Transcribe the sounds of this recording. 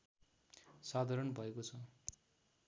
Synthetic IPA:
sad̪ʱaɾʌnbʱʌekot͡sʰʌ

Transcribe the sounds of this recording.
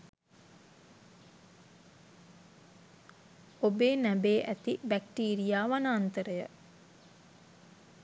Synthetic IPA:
obeːnæbeːʔæt̪ibæk̚ʈiːɾijaːʋanaːnt̪əɾəjə

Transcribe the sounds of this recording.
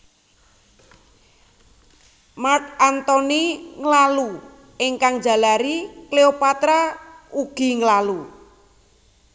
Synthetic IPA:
mark̚ant̪ɔniŋəlalu | eŋkaŋ̥d͡ʒa̤laɾikleopat̪ɾauɡ̥i̤ŋəlalu

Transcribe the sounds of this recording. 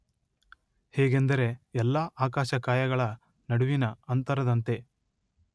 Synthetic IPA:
hɛːɡend̪ɐɾe̞ɛlːaːʔaːkaːʃɐkaːjɐɡɐɭɐ | nɐɽuʋinɐɐnt̪ɐɾɐd̪ɐnt̪e̞

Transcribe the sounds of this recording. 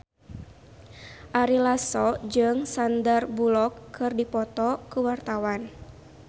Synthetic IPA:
ʔaɾilasɔd͡ʒɨŋsandarbulɔkːɨrdipɔt̪ɔkuwart̪awan

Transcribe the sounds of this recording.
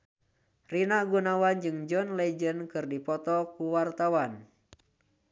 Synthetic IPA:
rinaɡunawand͡ʒɨŋd͡ʒɔnlɛd͡ʒənkɨrdipɔt̪ɔkuwart̪awan

